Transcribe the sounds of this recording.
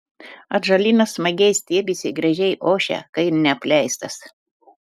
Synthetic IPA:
ɐt̪ʒɐlʲiːnɐsmɐɡʲɛɪsʲt̪ʲiɛbʲisʲɪɡɾɐʒʲɛɪʔoːʃʲɛ̰kɐɪnʲɛɐpʲlʲɛˑɪst̪ɐs

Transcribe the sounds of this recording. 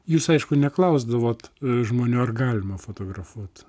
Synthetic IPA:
juːsɐɪʃkʊnʲɛklˠɐʊzd̪ɐʋoːt̪ʒmoːnʲuːɐrɡɑːlʲɪmɐfoːt̪oːɡɾɐfuɔt̪

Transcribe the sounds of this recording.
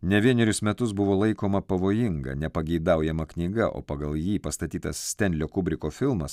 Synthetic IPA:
nʲɛʋʲiɛnʲɛɾʲʊsmʲɛt̪ʊsbʊʋoːlˠɐɪkoːmɐpɐʋoːjɪŋɡɐ̰nʲɛpɐɡʲɛɪd̪ɐˑʊjɛmɐknʲiːɡɐʔo̰ːpɐɡɐlˠjiːpɐst̪ɐt̪ʲiːt̪ɐssʲt̪ʲɛnʲd̪ʲlʲoːkʊbʲɾʲɪkoːfʲɪlˠmɐs

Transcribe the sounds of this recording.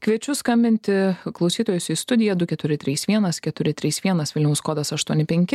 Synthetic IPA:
kʋʲiɛt͡ʃʲʊskɐmʲbʲɪnʲt̪ʲɪklˠɒʊsʲiːt̪oːjʊsiːst̪ʊd̪ʲɪjɛd̪ʊkʲɛt̪ʊɾʲɪt̪ʲɾʲiːsʋʲiɛnɐskʲɛt̪ʊɾʲɪt̪ʲɾʲiːsʋʲiɛnɐsʋʲɪlʲnʲɛʊskoːd̪ɐsɐʃt̪uɔnʲɪpʲɛŋʲkʲɪ

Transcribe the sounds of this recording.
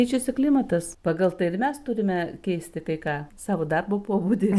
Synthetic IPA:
ɛɪt͡ʃʲʊsʲɪklʲimɐt̪ɐspɑːɡɐlˠt̪ɐɪɪrmʲɛst̪ʊɾʲɪmʲɛkʲɛɪsʲt̪ʲɪt̪ɐɪkɑːsɑːʋoːd̪ɐrboːpoːbuːd̪ʲɪ

